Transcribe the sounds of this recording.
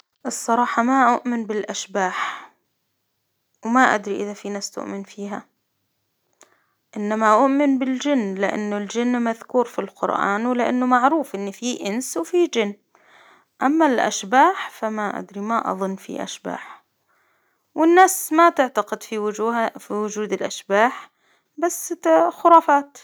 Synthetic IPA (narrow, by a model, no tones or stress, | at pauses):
ʔɨsˤːɑɾˤɑːħɑmaʔʊʔmɪnbɪlʔaʃbaːħ | wmaʔa̰d̪ɾiʔɪðafinaːst̪ʊ̰ʔmɪnfiːɦa | ʔɪnːamaʔʊʔmɪnbɪld͡ʒɪnːlɪʔa̰nːʊld͡ʒɪnːmaðkuːɾfilqʊ̰ɾʔa̰ːnwɪlɪʔa̰nːʊmaʕɾuːfʔɪnːfiʔɪnswfid͡ʒɪnː | ʔamːalʔa̰ʃbaːħfamaʔa̰d̪ɾimaʔɑ̰ðˤʊnːfḭʔa̰ʃba̰ːħ | wɪnːaːsmat̪ɪʕt̪aqɪd̪fifiwʊd͡ʒuːd̪ɪlʔaʃbaːħ | basxʊɾˤɑːfaːt̪